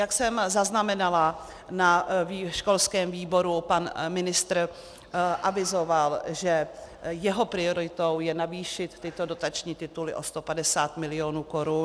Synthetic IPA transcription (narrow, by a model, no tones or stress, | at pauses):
jaksɛmzaznamɛnala | naiʃko̞lskɛːmviːbo̞ɾupanmɪnɪst̪ɾ | ʔavɪzo̞valʒɛjɛɦo̞pɾɪo̞ɾɪt̪o̞wjɛnaviːʃɪt̪ːɪt̪o̞do̞t̪at͡ʃɲiːt̪ɪt̪ulɪ̰ʔo̞st̪o̞padɛsaːt̪mɪlɪo̞ːnuːko̞ɾun